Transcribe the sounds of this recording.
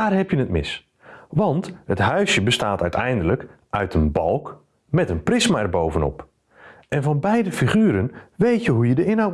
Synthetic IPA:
aːrɦɛpjənətmɪ̰s | ʋɑnthətɦœɥsjəbəstaːtœɥtɛjndələk | ʔœɥtʰənbɑlˠk | mɛtənprɪsmaɛrbowvənɔ̰p | ʔɛnvɔnbɛjdəfiχyːɾənʋejtjəɦujədəɪnɦawt

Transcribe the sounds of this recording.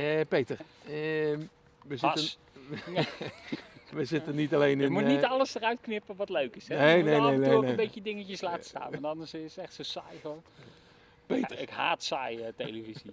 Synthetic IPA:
əpejtəɹ | ʋəzɪtən | ʋəzɪtənitalejnɪəmunitɑləsdərœɥtknɪpəʋɑtløɥkɪsɛnejnejneneebejcədɪŋəcəslaːtə̥sta̰ːnʋɑntɑnəssɛχtsosajvɑn | pejtəɪkɦaːtsajətejləvizi

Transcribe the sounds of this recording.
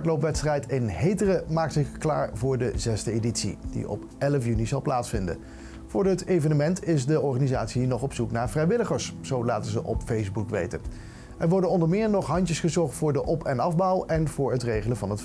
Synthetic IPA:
tlowpʋɛtstrɛjtɪnɦejtərəmaːktsɪχkla̰ːɹvʊːɹdəzɛsdəeditsḭd̥ḭɔ̰p | ɛləfjynizɑlˠplaːtsfɪndə̰n | v̥ʊːɹətejvənəmɛntʰɪzdəɔɹχaːnizaːtsinɔχɔpsuknaːɹv̥rɛjʋɪləχəɹsz̥owlaːtənzəʔɔpfejzbukʋḛjtən | ɛɹʋɔɹdənɔndəɹmɪːɹnɔχɦɑɲcəsχəzɔɹχtfʊːɹdəʔɔpʰɛnɑvbɔwɛnv̥ʊːɹɦətrejχələnvɑnɦət

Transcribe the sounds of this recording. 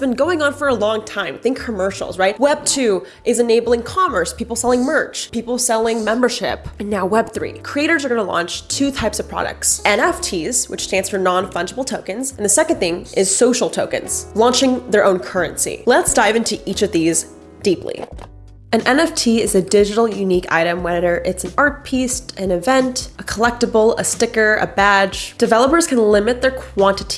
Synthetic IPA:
sb̥ɨ̃nɡoʊɪ̃ŋə̃nfə˞əlɔ̃ŋtʰãɪ̃mθɪ̃ŋkʰːɨmɜ˞ʃl̩ˠzɹaɪt̚wɛb̚tʰʉ | ʔɨzɨneɪbl̩ˠɪ̃ŋkʰɑmə˞spʰipl̩ˠsɛlˠɪ̃ŋmɜ˞t͡ʃpipl̩ˠsɛlˠɪ̃ŋmɛ̃mbə˞ʃɪ̰pɨ̃nːaʊwɛb̥̚θɹḭkʰɹ̥ieɪɾə˞zə˞ɡʌnəlɑ̰̃nt͡ʃtʰʉtʰaɪpsʌv̥pʰɹ̥ɑ̰ɾɨ̰k̚tsɛ̃nɛftʰiz̥wɨ̰t͡ʃtʰɹæ̃nsfə˞nɑ̃nfʌ̃nd͡ʒəbl̩ˠtʰoʊkɨ̃nzɨ̃n̩ðɨsɛkɨ̃nθɪ̃ŋʔɪz̥soʊʃl̩ˠtʰoʊkɨ̰̃nz̥lɑ̃nt͡ʃɪ̃ŋðə˞ʔõʊ̃nkʰɜ˞ɨ̰̃nsḭlətsd̥aɪvɪ̃ntʰɨʔit͡ʃʌvðiz | d̥iplḭ | ɨ̃nɛ̃nɛftʰiɪzɨdɪd͡ʒɨɾl̩ˠjʉnikʰa̰ɪɾɨ̃mwɛðə˞ʔɪtsn̩ɑɹt̚pʰistɨ̃nɨvɛ̃ntʔəkʰəlɛk̚təbl̩ˠə̰stɪkə˞ʔə̰bæ̥d͡ʒd̥ɨvɛlˠəpə˞z̥kʰɨ̃nlɪ̃mɨt̪̚ðə˞kʰw̥ɑ̃ntɨɾʰi̥

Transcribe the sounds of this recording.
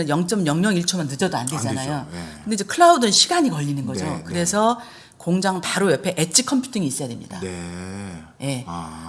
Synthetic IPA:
ɯnjʌŋt͡ɕ͈ʌmɲjʌŋɲʌŋiɭt͡ɕʰomanːɯd͡ʑʌdoa̰nde̞d͡ʑanajokɯndeid͡ʑekʰɯɭaudɯnɕʰiɡaɲikʌʎːinɯnɡʌd͡ʑokɯɾe̞sʰʌ | koŋd͡ʑaŋpaɾojʌpʰe̞ʔet͡ɕʰikʰʌmpʰju̥tʰiŋiːs͈ʌjade̞mɲḭda̰ | je̞

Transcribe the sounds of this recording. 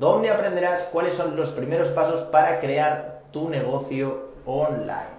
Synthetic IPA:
d̪o̞nd̪e̞apɾe̞nd̪eɾaskwale̞sːo̞nlo̞spɾime̞ɾo̞spaso̞spaɾakɾe̞aɾt̪une̞ɣ̞o̞θjo | onla̰jn

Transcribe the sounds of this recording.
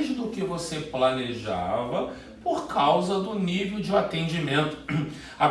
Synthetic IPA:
ʒd̪ʊkɪvoseplɐneʒa̰vɐ | poɾkʰawzɐd̪ʊnivewd͡ʒɪat̪ẽnd͡ʒimẽnt̪ʊ̥ | a

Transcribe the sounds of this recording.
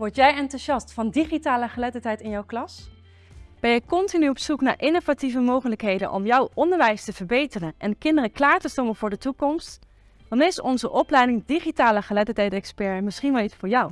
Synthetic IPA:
ʋɔɹtjɛjɛntuʃɑstfɑndiχitaːləχəlɛtətɦɛjtɪnjɔwklɑs | b̥ɛjəkɔntinyɔpsukna̰ːɹʔɪnovativəmowχələkɦejdə̰nʔɔ̰mjɔwʔɔndəɹʋɛjstəv̥əɹbejtərənʔɛnkɪndərəklaːɹtəstɔmənvʊːɹdətukɔmst | d̥ɑnɪsɔnzəʔɔplɛjdɪŋdiχitaːləχəlɛtətɛjtɛkspɛɹmɪsχinʋɛlˠitsfʊːɹjɔw

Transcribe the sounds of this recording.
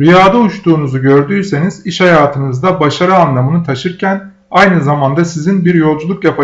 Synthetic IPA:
ɾijaːd̪auʃt̪ʰuːnuzuɟø̞ɾd̪yːse̞niziʃhajaːt̪ʰɯnɯzd̪abaʃaɾɯanlˠamɯnɯt̪ʰaʃɯɾcʰæn | ajnɯzamand̪asizinbiɾjo̞lˠd͡ʒulˠukjapʰa

